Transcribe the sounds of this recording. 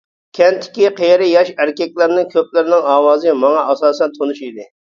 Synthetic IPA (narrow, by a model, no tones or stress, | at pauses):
kʲʰɛnt̪ʰːɪ̥kʲiqʰejɾɪjɑʃæɾkʲɛkʲlɪɾnɪŋkʲʰøp̚lɪɾnɪŋɑːwɑːzɨmɑŋɑɑsɑːsɛnt̪ʰonuʃid̪ɪ